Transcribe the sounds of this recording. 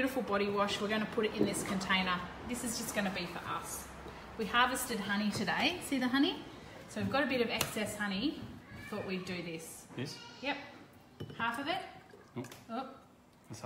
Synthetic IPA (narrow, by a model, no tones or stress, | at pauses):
jʉɾəfl̩ˠbɑɾiwɑʃwɨɹɡ̃ʊ̃ñɨpʰʊɾɨɾɨ̃nðɪskʰɨ̃ntʰẽɪ̃nə˞ðɪsɨzd͡ʒʌsɡ̥ʌnɨbifə̰˞ʔʌ̰s | wihɑɹvɨstɨd̚ɦʌñiɾɨdeɪsiðɨɦʌni | soʊɨvɡɑɾɨbɪɾʌvɛksɛshʌñiθɔʔwidɨðɪsjɛjɛp̚ | hæfʌvɨt̚ | ʊp̚